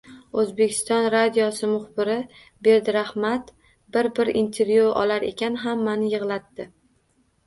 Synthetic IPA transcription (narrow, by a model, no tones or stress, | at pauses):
ɵzbekʲʰɪ̥st̪ɒnɾad̪ijɒsɪmʊχbɪɾɪ | be̞ɾd̪ɾahmat̪ | bɪɾbɪɾḭnt̪ʰe̞ɾvjuɒ̰laɾe̞̰kʲanɦamːanɪjɨʁlˠat̪ːɪ